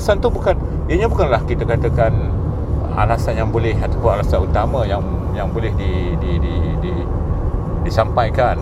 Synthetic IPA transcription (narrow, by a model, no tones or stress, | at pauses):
sant̪ubukan | jaɲabukanlahkit̪akat̪əkan | a̰lasanjaŋbolɛhat̪apʊnalasanut̪amajaŋ | jaŋbolɛhdi | dididi | disampajkan